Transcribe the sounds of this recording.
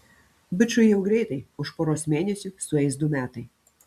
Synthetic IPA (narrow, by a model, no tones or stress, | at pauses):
bʲɪt͡ʃʊɪjɛʊɡɾʲɛɪt̪ɐɪʊʃpoːɾoːsmʲeːnʲɛsʲʊsʊɛɪsd̪ʊmʲæːt̪ɐɪ